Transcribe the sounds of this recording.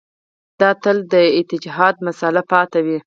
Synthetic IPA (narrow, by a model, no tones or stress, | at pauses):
d̪̥ɑt̪əld̪əɪt̪ɪd͡ʒɦɑd̪̚masalapɑt̪awi